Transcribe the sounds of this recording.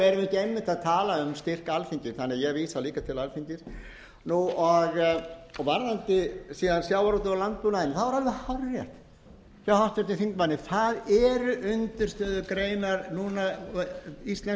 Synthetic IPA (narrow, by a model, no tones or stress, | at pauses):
ɛɾɪmɛhcɪemːɪht̪aðt̪ʰaːlaʏmst̪ɪr̥kalfiɲcɪɾ̥θanːɪajɛɣviːsaliːkat̪ʰɪlalfiɲcɪɾ̥ | nuɔɣɔɣvaɾnant̪ɪsiːðansjawaɾɔwt̪̬ʏalant̪̚pʏnaɪnɪθavaɾalvɪhawrjɛht̪ | sawhḁt̪ɛɾt̪ɪθiŋkmanːɪθaðɛɾʏʔʏnt̪ʏɾ̥st̪œːðʏkɾeːjnaɾnuna | ist̪lɛ